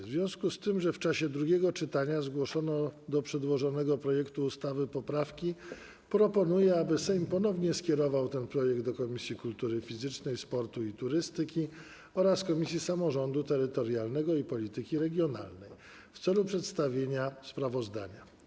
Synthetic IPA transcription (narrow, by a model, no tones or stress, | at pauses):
zvʲjɔ̃w̃skust̪ɘmʐɛft͡ʂaɕɛd̪ɾuɡʲɛɡɔt͡ʂɘt̪aɲazɡwɔʂɔnɔd̪ɔpʂɛd̪wɔʐɔnɛɡɔpɾɔjɛkt̪uːst̪avɘpɔpɾafkʲi | pɾɔpɔnujɛabɘsɛjmpɔn̪ɔvɲɛskʲɛɾɔvawt̪ɛnpɾɔjɛɡ̚d̪ɔkɔmʲisʲjikult̪uɾɘfʲizɘt͡ʂnɛjspɔɾt̪uit̪uɾɘst̪ɘkʲi | ɔɾaskɔmʲisʲjisamɔʐɔnd̪ut̪ɛɾɘt̪ɔɾjalnɛɡɔipɔlʲit̪ɘkʲiɾɛɡʲjɔna̰lnɛj | ft̪sɛlupʂɛt̪st̪avʲjeɲaspɾavɔzd̪a̰ɲa